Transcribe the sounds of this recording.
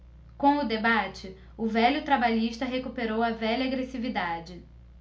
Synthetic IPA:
kõʊd̪ebat͡ʃɪ | ʊvɛʎʊt̪ɾabaʎiʃt̪ɐɦekupeɾowɐvɛʎɐːɡɾesivid̪ad͡ʒɪ

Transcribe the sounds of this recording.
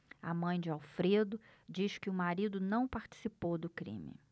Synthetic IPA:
amɐ̃j̃d͡ʒɪawfɾed̪ʊd͡ʒiʃkɪʊmaɾid̪ʊnɐ̃w̃paɾt͡ʃi̥sipowd̪ʊkɾḭ̃mɪ̰

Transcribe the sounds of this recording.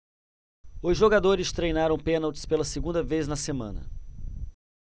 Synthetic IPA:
ʊzʒoɡad̪oɾɪst̪ɾejnaɾɐ̃w̃pẽnawt͡ʃɪ̥spelɐseɡũnd̪ɐvejznɐsemɐ̰̃nɐ̰

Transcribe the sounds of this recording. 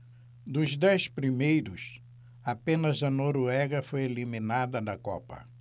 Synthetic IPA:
d̪ʊzd̪ɛspɾimejɾʊs | apẽnɐzɐnoɾuɛɡɐfojelimĩnad̪ɐd̪ɐkɔ̰pɐ̰

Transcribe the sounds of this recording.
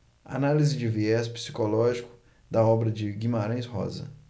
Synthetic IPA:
a̰nalizɪd͡ʒɪviɛspi̥si̥kolɔʒikʊ̥ | d̪ɐɔbɾɐd͡ʒɪɡimaɾɐ̃j̃shɔ̰zɐ̰

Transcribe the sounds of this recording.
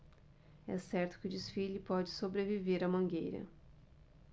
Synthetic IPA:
ɛ̰sɛɾt̪ʊ̥kɪʊd͡ʒɪsfilɪpɔd͡ʒɪsobɾeviveɾɐmɐ̃ŋɡejɾɐ̰

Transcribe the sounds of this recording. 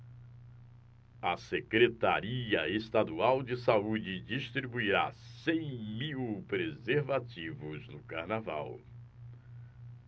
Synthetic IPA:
ɐsekɾet̪a̰ɾiɐest̪ad̪uawd͡ʒɪsaud͡ʒɪd͡ʒiʃt̪ɾibuiɾa̰sẽj̃miwpɾezeɾvat͡ʃivʊznʊkaɾnava̰w

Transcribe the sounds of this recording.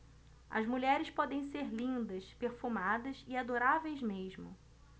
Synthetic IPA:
ɐ̰zmuʎɛɾɪspɔd̪ẽj̃seɾlĩnd̪ɐspeɾfumad̪ɐziad̪oɾavejzmeʒmʊ

